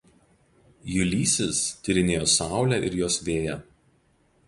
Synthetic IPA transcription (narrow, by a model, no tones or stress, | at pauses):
jʊlʲiːsʲɪst̪ʲʊɾʲɪnʲeːjoːsɑˑʊlʲæʔɪ̰ɾjoːsʋʲeːjɛ